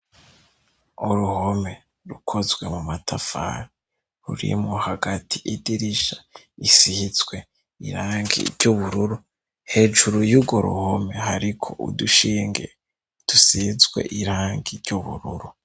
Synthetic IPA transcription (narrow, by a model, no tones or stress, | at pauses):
oɾuhome̞ | ɾukʰozɡwe̞mumatʰafa̰ɾi | hṵɾḭmohaɡatʰi̥ʔidiɾiʃa | isihizɡwe̞ | ḭɾaːŋɡḭɾɟuβuɾuɾu | he̞ːʒuɾujuɡoɾṵhome̞haɾikʰo̞ʔṵduʃiːŋɡḛ | d̥usihizɡwe̞̰ʔiɾaːŋɡiɾɟuβṵɾuɾu